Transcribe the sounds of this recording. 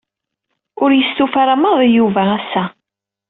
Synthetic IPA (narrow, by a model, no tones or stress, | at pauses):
ʊɾjəst̪ufaɾaməðˤjuvææsːæ